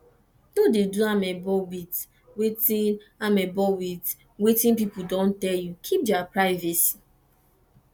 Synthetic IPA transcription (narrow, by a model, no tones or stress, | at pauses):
dodeduamɛbɔwit | wetĩn | amɛbɔwit | wetĩnpipudɔ̃ntɛljukʰip̚dapɹaɪvɛsi̥